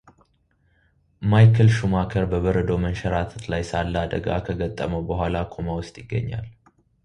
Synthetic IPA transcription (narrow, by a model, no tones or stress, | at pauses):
majkʰəlʃumakʰəɾbəβəɾəd̪o̞mənʃɛɾat̪ʰət̪lajsalːad̪əɡa̰kʰəɡət̪ʼːəməwbəɦʷalakʰomawʊst̪ʼjɪɡːə̰ɲːa̰l